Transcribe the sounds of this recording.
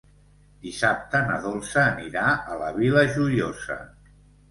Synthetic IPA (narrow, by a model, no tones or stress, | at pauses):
d̪isap̚t̪ənəðolˠsəːniɾaələβiləʒuʎozə̰